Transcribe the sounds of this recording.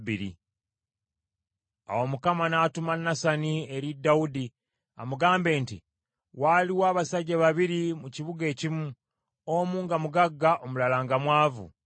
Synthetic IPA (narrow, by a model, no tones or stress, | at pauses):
βiɾḭ | a̰wo̞mukamanaːtumanːasanieɾidːaudi | a̰muɡaːmbe̞ːnti | waliwaːβasaɟːaβaβiɾimuciβuɡe̞ːcimu | omuːŋɡamuɡaɡːaʔomulalaːŋɡamwaːvṵ